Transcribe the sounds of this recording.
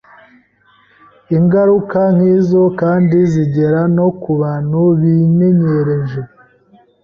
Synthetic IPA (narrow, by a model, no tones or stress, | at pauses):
iŋɡaɾukan̥hiːzo̞kaːndiziɟeɾano̞kuβaːn̥huβime̞ɲe̞ɾe̞ʒe